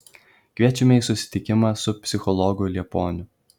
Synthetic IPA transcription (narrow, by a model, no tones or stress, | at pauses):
kʲʋʲiɛt͡ʃʲɛmʲɛiːsʊsʲɪ̥t̪ʲɪkʲɪmɑːsʊpʲsʲɪxɔlˠɔɡʊlʲiɛpoːnʲʊ